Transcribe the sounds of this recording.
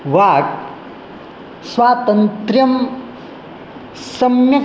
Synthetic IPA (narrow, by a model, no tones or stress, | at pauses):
ʋaːk | sʋaːt̪ɐnt̪ɾjɐm | sɐmjɐ